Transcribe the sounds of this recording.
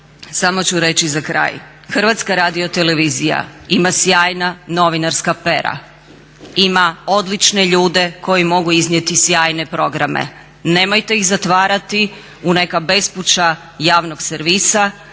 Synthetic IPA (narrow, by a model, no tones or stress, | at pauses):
samo̞t͡ɕuɾe̞t͡ɕizakɾa̰ːj | xr̩ʋat̪skaɾaːd̪iot̪eleʋizija̰imasjaːjnano̞ʋinaɾskape̞ɾa̰ | imaod̪lit͡ʃneʎuːd̪e̞ko̞jimo̞ɡuiznʲje̞t̪isjaːjne̞pɾo̞ɡɾamḛ | neːmojt̪e̞iɣzat̪ʋaːɾat̪i | une̞kabe̞sput͡ɕa | jaːʋnoɡseɾʋiːsa